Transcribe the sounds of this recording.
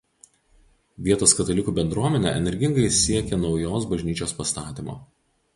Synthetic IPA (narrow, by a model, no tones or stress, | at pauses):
ʋʲiɛt̪oːskɐt̪ɐlʲɪkuːbʲɛnd̪ɾuɔmʲɛnʲɛ̰ʔɛ̰nʲɛɾʲɡʲɪŋɡɐɪsʲiɛkʲɛnɒʊjoːsbɐʒʲnʲiːt͡ʃʲoːspɐst̪ɑːt̪ʲiːmo̰ː